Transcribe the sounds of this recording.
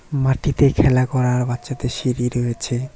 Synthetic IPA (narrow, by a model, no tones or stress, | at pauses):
maʈit̪ekʰɛlakɔɾaɾbatːʃat̪eʃiɾiɾɦojet͡ɕʰe